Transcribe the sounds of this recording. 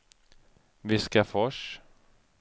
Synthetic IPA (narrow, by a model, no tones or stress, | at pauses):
vɪskafɔʂ